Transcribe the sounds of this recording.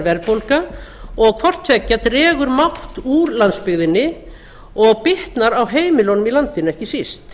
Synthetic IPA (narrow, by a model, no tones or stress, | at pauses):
ɾvɛlpowlkaɔɣkʰvɔr̥t̪ʰɛcːat̪rɛːɣʏɾmaht̪uɾlant̪spɪɣðɪnːɪ | ɔɣpɪht̪naɾawɦeːjmɪlownʏmilant̪ɪnʏɛhcɪsist̪